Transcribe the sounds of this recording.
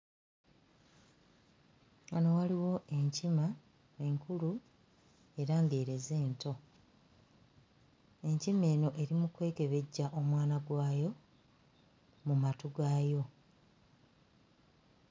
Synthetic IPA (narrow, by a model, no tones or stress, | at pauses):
ano̞waliwo̞ʔe̞ɲcima | e̞ŋkulu | e̞ɾaŋɡe̞ːɾe̞ze̞ːnto̞ | e̞ɲcime̞ːno̞ʔe̞ɾimukwe̞ːke̞βe̞ɟːaʔo̞mwaːnaɡwaːjo̞ | mumatuɡaːjo̞